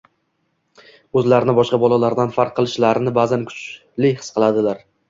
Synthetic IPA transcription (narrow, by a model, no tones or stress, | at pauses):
ɵzlaɾɪnɪbɒʃqɑbɒlˠalaɾd̪anfaɾqʰːɨlˠɪʃlaɾɪnɪbazankʰʊ̥t͡ʃ | lɪhɨ̥sqʰɨlˠad̪ɪlaɾ